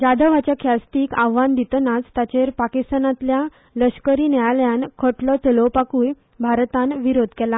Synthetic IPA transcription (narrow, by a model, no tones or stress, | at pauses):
d͡ʑad̪ʱəʋat͡ɕjakʰjast̪iːkaʋãnd̪it̪nat͡st̪at͡ɕeɾpakist̪anãt̪lja | ləɕkəɾiːnajaljãnkʰɔʈlɔt͡səlɔpakuːj | bʱaɾt̪ãnʋiɾod̪ʱkɛla